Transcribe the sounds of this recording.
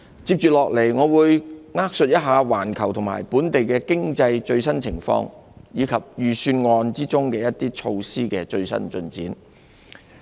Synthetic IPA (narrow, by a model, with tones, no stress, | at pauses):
t͡siː˧˥p̚t͡ʃyː˨lɔː˨k̚le˨˩jŋɔː˨˧wuː˨˧jŋaː˥k̚sɵ˧t̚jɐ˥t̚ɦaː˨˧waː˨˩nkʰɐ˨˩wt̪ʰʊ˨˩ŋma̰ː˨˩jpuː˨˥nt̪e˨jkɛː˧kɪ˥ŋt͡sɐ˧jt͡ʃɵ˧ɥsɐ˥nt͡sʰɪ˨˩ŋfɔ̰ː˧ŋjiː˨˧kʰɐ˨p̚jyː˨˩syː˧nŋɔː˧nt͡siː˥t͡sʊ˥ŋkɛː˧jɐ˥t̚t̪iː˥t͡ʃʰo˧wsiː˥kɛ˧t͡ʃɵ˧ɥsɐ̰˥nt͡ʃɵ˧nt͡siː˨˥n